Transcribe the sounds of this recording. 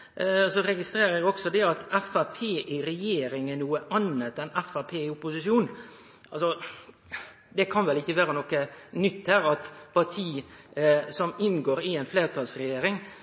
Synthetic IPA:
sɔɾɛɡɪst̪ɾeːɾəɪɔksɔd̪ɛɑt̪ɛfæpʰeːʔɪɾɛjeːɾɪŋənuːəʔɑnət̪ɛnɛfæpʰeːɪʊpːʊsɪʃjuːn | ʔɑlsɔ | d̪ɛkʰɑnʋɛlɪçːəʋæːɾənɔkːənʏt̪ːhæːɾɑt̪pɑʈ̪ʰiː | sɔmɪnɡoːɾɪɛɪnfleːɾt̪ʰɑlsɾɛjeːɾɪŋ

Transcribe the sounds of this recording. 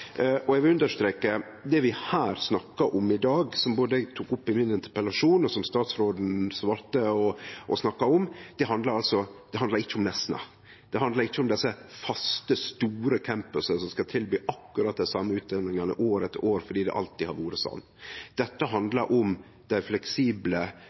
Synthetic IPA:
ʔɔɛɡʋɪlʉnd̪əʂt̪ɾeːkə | d̪ɛʋɪhæːɾsnɑkːɑʔɔmɪd̪ɑːɡsɔmboːd̪əɛɡ̚t̪ʰuːkʊpːɪmɪnɪnt̪ə̥ɾpəlɑʂuːnɔsɔmst̪ɑːt̪sɾoːd̪n̩sʋɑːɾt̪əɔʔɔsnɑkːɑɔmd̪̥ɛɦɑnd̪lɑɾɑlsɔd̪̥ɛɦɑnd̪ɑɾɪçːəʊmnɛsnɑ̰ | d̪̥ɛɦɑnd̪lɑɾɪçːəʊmd̪ɛsːəfɑst̪əst̪uːɾəkʰɛmpəsəsɔmskɑt̪ʰɪlbyːʔɑkːʉɾɑt̪̚d̪æɪsɑmːəʉːt̪̚d̪ɛnɪŋɑnə̰ʔoːɾɛt̪oːɾfɔɖiːd̪ɛ̰ʔɑ̰lt̪ɪhɑɾʋuːɾəsɔ̰nːd̪̥ɛt̪ːəɦɑnd̪lɑɾʔɔm | d̪̥æɪflɛksiːblə

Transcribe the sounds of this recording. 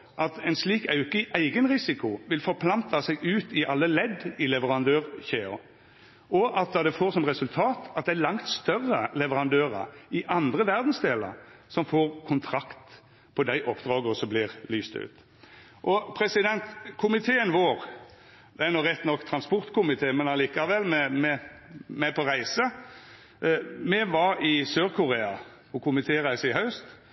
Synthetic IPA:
ʔɑt̪ɛɪnsliːkɑʉkəʔæɪɡənʁɪsɪkʊʋɪlfɔɾpʰlɑnt̪ʰɑsɛɡʉːt̪ɪʔɑlːəlɛd̪ɪlɛʋəʁɑnd̪øːʁçeːʊ̰ | ʔɔʔɑt̪̚d̪ɑd̪ɛfoːɾsɔmʁɛsʉlt̪ʰɑːt̪ɑt̪̚d̪ɛælɑŋt̪st̪œrːəlɛʋəɾɑnd̪øːɾə̰ɾɪʔɑnd̪ʁəʋæʁd̪nsd̪eːlə̰ɾsɔmfoːʁkʰʊnt̪ʰɾɑkt̪ | pʰɔd̪æɪʔɔpːd̪ʁɑːɡəɔsɔmblɪʁlyːst̪ʉ̰ːt̪ | ʔɔpʰɾɛsɪd̪ɛnt̪kʰʊmɪt̪ʰeːənʋoːɾ | d̪ɛænɔɾɛt̪nɔkːt̪ʰɾɑnspɔɾt̪kʰʊmɪt̪ʰeːmɛnɑliːkɑʋɛlːmɛmɛmɛpʰɔʁæɪsə | mɛʋɑɾɪsøːʁkʰʊɾeːɑ | pʰɔkʰʊmɪt̪ʰeːʁæɪsəɪhɑʉst̪

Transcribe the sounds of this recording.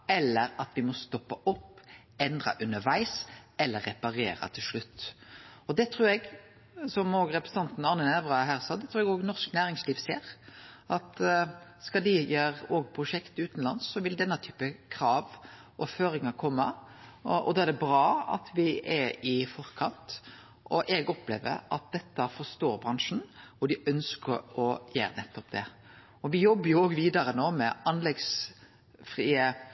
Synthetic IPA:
ɛlːəɾɑt̪ʋɪmɔst̪ɔpːɑʔɔpː | ɛnd̪ʁɑ̰ʔʉnːəɾʋæɪsɛlːəɾːɛpɑɾḛːɾɑ̰t̪ʰɪlʂɭʉt̪ːɔd̪ɛt̪ʰɾuːɾɛɡ | sɔmoːɡɾɛpɾəsn̩ɑnt̪n̩ɑʁnənɛʋʁɑɦæːʁsɑːd̪ɛt̪ʰɾuːɾɛɡoːɡnɔsknæːɾɪŋsliːʋseːɾʔɑt̪skɑd̪ɪjeːɾoːɡpʰɾʊʂɛkt̪ʉːt̪nlɑ̰nsːɔʋɪld̪ɛnːɑt̪ʰyːpəkʰɾɑːʋ | ʔɔføːɾɪŋɑɾkʰɔmːə | ʔɔ̰d̪ɑːæd̪ɛbɾɑːɑ̰t̪ʋɪʔɛɾɪfɔɾkʰɑnt̪ | ʔɔʔɛɡɔplḛːʋə̰ɾɑt̪̚d̪ɛt̪ːəfɔst̪oːɾbɾɑŋʂn̩ɔd̪ɪœnskəɾɔjæ̰ːɾnɛt̪ːɔpd̪ɛ | ɔʋɪjɔbːəjʊoːɡʋiːd̪ɑɾənoːmɛʔɑnlɛɡs | fɾiːə

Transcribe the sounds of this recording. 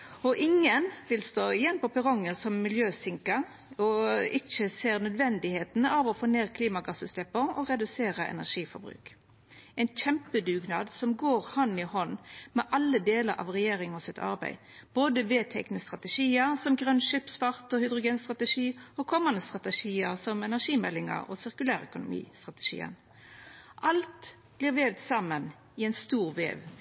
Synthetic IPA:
ɔʔɪŋənʋɪlst̪oːjɛnpɔpʰɛɾɔŋːəsɔmːɪljøːsɪŋkə | ɔɪçəseːɾnœd̪ʋɛnd̪ɪheːt̪nəɑʋɔfoːneːʁkʰliːmɑɡɑsʉslɛpːəɔ̰ʁɛd̪ʉseːɾəʔɛ̰næ̰ʁʂiːfɔ̰ɾbɾʉ̰ːk | ɛɪnc͡çɛmpəd̪ʉːɡnɑ̰ːd̪sɔmɡoːɾhɑnɪhɔnːmɛʔɑlːəd̪eːləɾɑ̰ːʋʁɛjeːɾɪŋɔsɪt̪ʰɑ̰ʁbæ̰ɪ | b̥oːd̪əʋeːt̪ʰɛknəst̪ʁɑt̪əʃiːəsɔmɡʁœnʃɪpspɑʁt̪ɔhʏd̪ʁʊɡeːnst̪ʁɑt̪əʂiːɔkʰɔmɑnd̪əst̪ʁɑt̪əʂiːəʁsɔmɛnæʁʂiːmɛlːɪŋə̰ʁɔ̰sɪʁkʉlæːʁœkʊnʊ̰mḭːst̪ʁɑt̪ə̥ʂḭːə̰n | ʔɑlt̪ | b̥lɪːʁʋeːʋt̪sɑmən | ɪɛɪnst̪uːʁʋḛːʋ

